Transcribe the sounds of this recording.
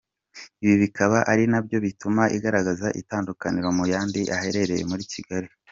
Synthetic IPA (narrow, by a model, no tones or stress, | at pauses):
iβiβikaβaʔaɾinabjo̞βitumaʔiɡaɾaɡazaʔḭtaːndukaniɾo̞mujaːndiʔahe̞ɾe̞ɾe̞je̞̰muɾiciɡaɾi